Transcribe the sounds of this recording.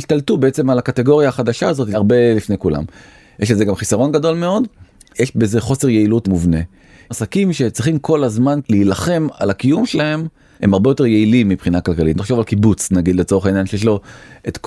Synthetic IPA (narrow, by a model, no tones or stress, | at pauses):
iʃt̪altubeet͡se̞malakateɡo̞ʁjaːχadaʃaːzo̞t̪aʁbe̞lifne̞jkula̰m | jeʃ̬lezeɡamχisaʁo̞nɡado̞lme̞o̞d | jeʃbeze̞χo̞se̞ʁje̞ilutmuvne̞ | asakimʃe̞t͡sʁiχimkʰo̞lazmanliːlaχe̞ma̰lakijumʃelahe̞m | he̞̰maʁbejo̞t̪e̞ʁje̞ilimːibχinakalkalitnaχʃo̞valkibut͡snaɡid̪le̞t͡so̞ʁeainjanʃejeʃ̬lo̞ʔet̪k